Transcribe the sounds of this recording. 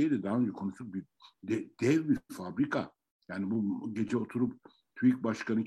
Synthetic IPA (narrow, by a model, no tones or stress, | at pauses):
ejd̪ɛd̪aɦaønd͡ʒɛkʰo̞nusuk̚bi | d̪ɛd̪̥ɛvbifabɾikʰa̰ | jaːnibuɟe̞d͡ʒɛo̞t̪ʰuɾup | t̪ʰuwik̚baʃkanɯ